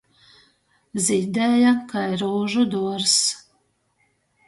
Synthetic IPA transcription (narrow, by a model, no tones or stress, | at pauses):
zʲid̪ɛːjakajɾuːʒud̪uɔɾs